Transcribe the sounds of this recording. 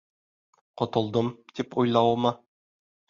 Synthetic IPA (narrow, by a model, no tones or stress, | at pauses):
qŏt̪ŏlˠd̪ɤmt̪ipujlˠɑwɤ̆mɤ